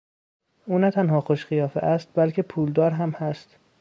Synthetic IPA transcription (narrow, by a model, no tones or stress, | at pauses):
ʔuːnæt̪ʰænɦɒːxoʃɢijɒːfḛʔæst̪̚bælcʰepʰuːld̪ɒːɾɦæmhæst̪